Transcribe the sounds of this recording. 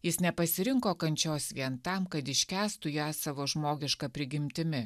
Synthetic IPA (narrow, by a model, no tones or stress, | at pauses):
jɪsnʲɛpɐsʲɪɾʲɪŋkoːkɐnʲt͡ʃʲoːsʋʲiɛnt̪ɐmkɐt̪ɪʃʲkʲæːst̪ʊjæːsɑːʋoːʒmoːɡʲɪʃkɐpʲɾʲɪɡʲɪmʲt̪ʲɪmʲɪ